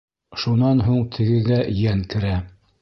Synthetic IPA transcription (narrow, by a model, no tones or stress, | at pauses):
ʃunɑnɦuɴt̪ʰɘ̆ɡɘ̆ɡæjæŋkɘ̆ɾæ